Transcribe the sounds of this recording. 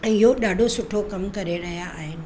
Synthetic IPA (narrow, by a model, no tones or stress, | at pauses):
ə̃joɗaːɖʱosʊʈʰokɐmkɐɾeɾɐɦjaːɦen